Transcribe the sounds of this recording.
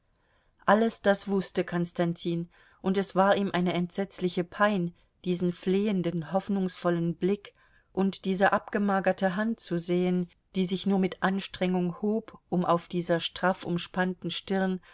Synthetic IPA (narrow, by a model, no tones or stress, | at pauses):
ʔaləsd̥asv̥ʊstəkʰɔnstantʰiːn | ʔʊntɛsv̥aːɐʔiːmʔaɪnəɛntz̥ɛt͡slɪçəpʰaɪn | d̥iːzn̩fleːəndənhɔfnʊŋsfɔlənblɪk | ʔʊntd̥iːzəʔapɡ̥əmaːɡɐtəɦant̚t͡suzeːən | d̥iːzɪçnuːɐmɪtʔanʃtʁ̥ɛŋʊŋhoːpʔʊmʔa̰ʊfd̥iːzɐʃtʁ̥afʊ̰mʃpantn̩ʃtɪʁn